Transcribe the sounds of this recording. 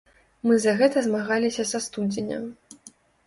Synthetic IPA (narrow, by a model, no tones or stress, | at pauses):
mɨzɐɣɛt̪ɐzmaɣalʲisʲɐsast̪ud͡zʲenʲɐ̰